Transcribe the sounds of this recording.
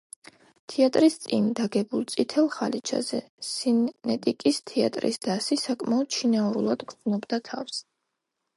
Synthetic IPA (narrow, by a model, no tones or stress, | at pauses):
t̪ʰɛat̪ʼɾist̪sʼḭnd̪aɡɛbulˠt̪sʼit̪ʰɛlˠχalit͡ʃʰa̰zɛ̰ | sinːɛt̪ʼikʼist̪ʰɛa̰t̪ʼɾḭsd̪̥asisakʼmaɔd̪̥ʃʰinauɾulˠad̪ɡɾd̪znɔbd̪at̪ʰafs